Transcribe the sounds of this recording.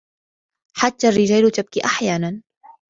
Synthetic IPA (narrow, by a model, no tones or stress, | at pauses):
ħat̪ːaːrːɪd͡ʒaːlʊt̪ab̚kiːʔaħjaːnan